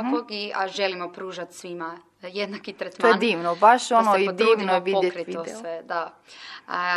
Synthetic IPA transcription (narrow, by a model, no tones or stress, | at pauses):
oɡiaʒelimopɾuːʒat̪sʋima | jed̪nakit̪ɾet̪moajed̪iːʋnobaʃonoid̪iːʋnojeʋidojetkɾit̪iod̪ḛsʋed̪a